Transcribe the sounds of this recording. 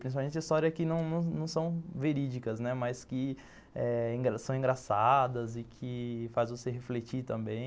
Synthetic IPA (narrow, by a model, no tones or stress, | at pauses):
pɾĩsipamẽnt͡ʃɐist̪ɔɾjɐkɪnɐ̃w̃nɐ̃w̃nɐ̃w̃sɐ̃w̃veɾid͡ʒikɐznɛmajskɪ | ɛĩɡɾasɐ̃w̃ĩɡɾasad̪ɐzɪkʰɪfazvoseɦeflet͡ʃiɾt̪ɐ̃mbẽj̃